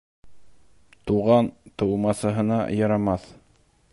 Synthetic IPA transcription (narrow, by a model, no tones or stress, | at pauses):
t̪uʁɑnt̪ɤ̆wmɑsɤ̆ɦɤ̆nɑ̰jɑɾɑmɑθ